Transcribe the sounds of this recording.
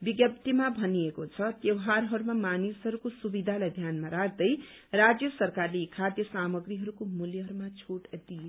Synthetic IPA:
biɡjʌp̚t̪imabʱʌniekot͡sʰʌt̪jʌwɦaɾɦʌɾumamanisɦʌɾukosubid̪ʱalajd̪ʱjanmaɾaɡ̚d̪ʌj | rad͡zjʌsʌrkarleːkʰad̪jʌsamʌɡriɦʌɾukomuljʌɦʌɾumat͡sʰoʈd̪ije

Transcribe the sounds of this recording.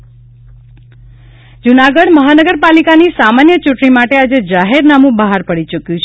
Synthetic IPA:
d͡ʒunaɡəɽməɦanəɡəɾpalikanisamanjət͡ʃuʈɳimaʈead͡ʒed͡ʒaɦeɾnamũbəɦaɾpəɽit͡ʃukjũt͡ʃʰ

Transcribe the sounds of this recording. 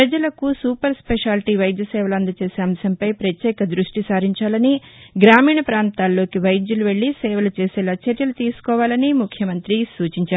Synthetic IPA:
pɾɐd͡ʒɐlɐkusuːpɐɾspɛʂaːlʈiʋɐjd̪jɐsɛːʋɐlɐnd̪ɐt͡ʃe̞ːseːɐmsɐmpɐjpɾɐt̪jɛːkɐd̪ɾuʂʈisaːɾiɲt͡ʃaːlɐniɡɾaːmiːɳɐpɾaːnt̪aːlːo̞ːkiʋɐjd̪juluʋeɭːisɛːʋɐlut͡ʃeːsɛːlaːt͡ʃɐɾjɐlut̪iːsu̥kɔːʋaːlɐnimukʰjɐmɐnt̪ɾisuːt͡ʃiɲt͡ʃaːɾ

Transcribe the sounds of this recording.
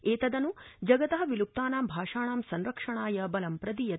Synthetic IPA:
eːt̪ɐd̪ɐnud͡ʒɐɡɐt̪ɐɦɐ̆ʋilup̚t̪aːnaːmbʱaːʂaːɳaːmsɐnɾɐkʂɐɳaːjɐbɐlɐmpɾɐd̪ijɐ

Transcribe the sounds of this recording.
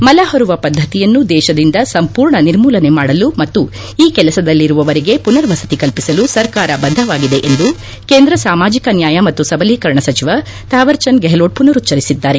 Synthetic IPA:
mɐlaːɦɐɾuʋɐpɐd̪ʱːɐt̪ijɐnːud̪ɛːʃɐd̪ind̪ɐsɐmpuːɾɳɐniɾmuːlɐne̞maːɽɐlumɐt̪ːu | iːkɛlɐsɐd̪ɐlːiɾuʋɐʋɐɾiɡe̞punɐɾʋɐsɐ̥t̪ikɐlpisɐlusɐɾkaːɾɐbɐnd̪ʱɐʋaːɡid̪e̞ʔend̪u | keːnd̪ɾɐsaːmaːd͡ʒikɐnjaːjɐmɐt̪ːusɐbɐliːkɐɾɳɐsɐt͡ʃiʋɐ | t̪aːʋɐɾt͡ʃɐnɡeɦloːɖ̚punɐɾut͡ʃɐɾisid̪ːaːɾe̞

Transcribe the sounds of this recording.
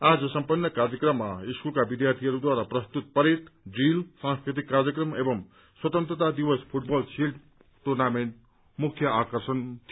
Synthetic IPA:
ad͡zʌsʌmpʌnːʌkaɾjʌkrʌmːaiskulkabid̪jart̪ʰiɦʌɾud̪waɾaprʌst̪ut̪̚pʌɾit̪ɖilsãnskɾit̪̬ikːaɾjʌkrʌmebʌm | swʌt̪ʌnt̪ɾʌt̪ad̪ibʌspʰuʈ̚bʌlsilʈ | ʈornamenʈ | mukʰjʌakʌrsʌnt̪ʰ

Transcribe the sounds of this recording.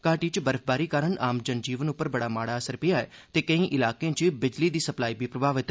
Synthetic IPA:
kaːʈiːt͡ʃbəɾfʰbaːɾiːkaːɾəɳaːmd͡ʒənd͡ʒiːʋənʊpːəɾbəɽaːmaːɽaːəsəɾpɪjaːɛːt̪eːkəĩːʔɪlaːkẽːt͡ʃbɪd͡ʒliːd̪iːsəplaːiːbʱiːpɾəbʱaːʋɪt̪

